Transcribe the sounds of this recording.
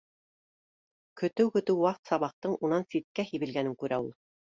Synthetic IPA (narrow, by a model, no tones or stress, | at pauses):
kɵ̆t̪ɘwkɵ̆t̪ɘwwɑqt̪sɑβɑq̚t̪ɤɴunɑnsit̪̚kæhiβɘ̆lɡænɘŋkʉɾæulˠ